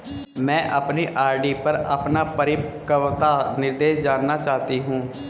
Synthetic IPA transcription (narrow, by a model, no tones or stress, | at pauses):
mɛ̃ːʔapniːʔaːɾɖiːpəɾa̰ːpnaːpəɾɪkəʋt̪aːnɪɾd̪eːʃd͡ʒaːnːaːt͡ʃaːt̪iːɦũː